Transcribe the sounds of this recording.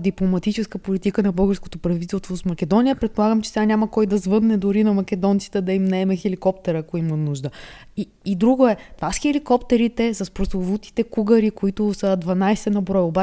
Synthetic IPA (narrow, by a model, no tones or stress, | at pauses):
d̪iplˠomɐt̪it͡ʃɛskəpolit̪ikənɐbɤlˠɡəɾsko̥t̪opɾɐvit̪ɛlˠst̪vosmɐkɛd̪ɔnijəpɾɛt̪̚polˠaɡəmt͡ʃɛ̥sɛɡanʲaməkɔjd̪ɐzvɤd̪nɛd̪ʊɾinɐmɐk̟ɛd̪ɔnt̪si̥t̪ɛd̪ɐimnɐɛmɛxɛlikɔp̚t̪ɛɾəːkoimɐnuʒd̪ə | iːd̪ɾuɡoɛt̪vasxɛlikɔpt̪ɛɾit̪ɛsɐspɾosovut̪i̥t̪ɛkuɡəɾikoit̪ʊsəd̪vɐnajsɛnɐbɾɔjoba